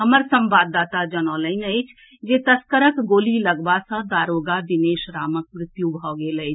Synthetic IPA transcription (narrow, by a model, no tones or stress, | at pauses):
ɦəməɾsə̃mbaːd̪ːaːt̪ad͡ʒənɔːləɪnəjt͡ʃʰ | d͡ʒet̪əskəɾəkɡoːliləɡbasə̃d̪aːɾoːɡabineːʃɾaːmək̚mɾɪt̪jubʱɔɡeləjt͡ʃʰ